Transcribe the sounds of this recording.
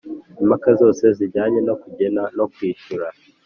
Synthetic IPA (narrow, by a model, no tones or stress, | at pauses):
imakazo̞ːse̞ziɾɟaːɲe̞no̞kuɟe̞nano̞kwiːʃuɾa